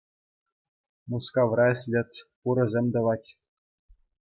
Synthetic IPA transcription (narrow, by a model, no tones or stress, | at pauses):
muskɑʋrɑɘ̆sʲlʲɘ̆t̪ʲpuɾɤ̆zʲemʲd̪ɤ̆ʋɑtʲ